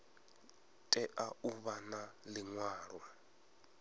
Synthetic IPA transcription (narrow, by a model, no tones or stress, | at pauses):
tʼɛʔauβanaliŋwaːɺwa